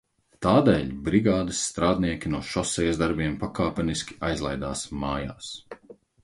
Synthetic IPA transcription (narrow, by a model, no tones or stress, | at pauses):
t̪aːd̪ɛːʎʲbɾiɡaːd̪ɨsːt̪ɾaːd̪niɛkʲinuɔʃɔsɛjzd̪aɾbiɛmpakaːpɛniskʲi̥ajzlˠajd̪a̰ːsmaːjaːs